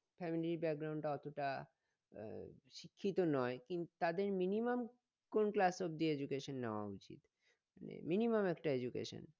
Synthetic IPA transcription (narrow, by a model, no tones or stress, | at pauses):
fʰɛmilibɛk̚ɡɾaw̃ɳɖʈaɔt̪oʈa | ʃikʰːit̪onɔekint̪ut̪ad̪eɾminimam | konklasobd̪ied͡ʑukeʃonːeoa̰ut͡ɕḭt̪ | manḛminimamɛkʈaed͡ʑukḛʃo̰n